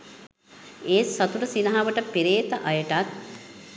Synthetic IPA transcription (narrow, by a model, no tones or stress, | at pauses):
eːsɐt̪uɾəsinɐɦaʋəʈəpiɾeːt̪əʔɐjəʈat̪̚